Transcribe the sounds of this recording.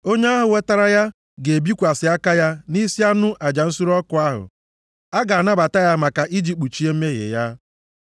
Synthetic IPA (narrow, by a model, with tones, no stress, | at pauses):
o˦ɲe˦a˦ɦʊ˨we˦ta˦ɾa˦ja˦ | ɡe˨bi˦kʷa˨sɪ˨a˦ka˦ja˦ni˦si˦a˦nʊ˦ʔa˨d͡ʒa˨n̩˦su˦ɾɔ˦kʊ˨a˦ɦʊ̰˨ | a˦ɡa˨a˨na˦ba˨ta˦ja˦ma˨ka˨ʔi˦d͡ʒi˨k͡pu˨t͡ʃi˦e˦m̩˦me˦ɣḛ˨ja˦